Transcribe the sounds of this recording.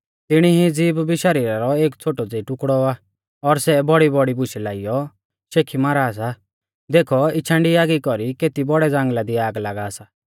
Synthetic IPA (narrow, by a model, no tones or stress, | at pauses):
t̪ɪɽ̃iɦid͡ziːbbiʃɐɾiːɾaɾɔeːkt͡sʰoːʈɔd͡zeʈʊkɽɔa | ɔɾsɛbɔɽibɔɽibʊʃɛlaːijɔ | ʃeːkʰimaːɾas̬a | d̪eːkʰɔɪt͡ʃʰãːɳɖiaːɡikɔɾikeːt̪ibɔɽɛd͡zãːŋɡlad̪iaːɡlaːɡaːsa